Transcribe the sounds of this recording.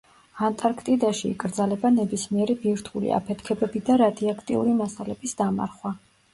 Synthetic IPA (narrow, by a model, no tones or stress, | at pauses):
ant̪ʼaɾkʰt̪ʼid̪aʃḭːkʼɾd̪zalɛbanɛbismiɛɾibiɾt̪ʰulḭa̰pʰɛt̪ʰkʰɛbɛbid̪aɾad̪iakʰt̪ʼḭṵɾimasalɛb̥isd̪̥ama̰ɾχwa